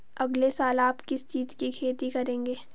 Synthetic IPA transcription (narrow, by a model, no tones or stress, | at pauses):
ɐɡlesaːlaːpkɪst͡ʃiːt̪kikʰeːt̪ikɐɾẽːŋɡeː